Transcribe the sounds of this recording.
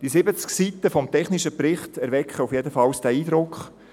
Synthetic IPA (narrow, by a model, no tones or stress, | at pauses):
d̥isɪbət͡sksit̪əfɔmtɛχnɪʃəprɪχt̪æɾvɛkχəufjedəfɑwsd̥æːiːd̪ɾʊkχ